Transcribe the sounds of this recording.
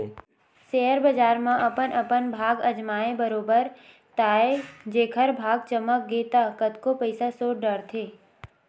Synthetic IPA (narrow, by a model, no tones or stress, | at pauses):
seːɦəɾbəd͡ʒaːɾmãʔɐpənʔəpənbʱaːɡɐd͡ʒmaːebəɾoːbəɾ | t̪aːed͡ʒeːkʰəɾbʱaːɡ̚t͡ʃəmək̚ɡeːt̪akət̪kopəɪsasoːʈɖəɾt̪ʰeː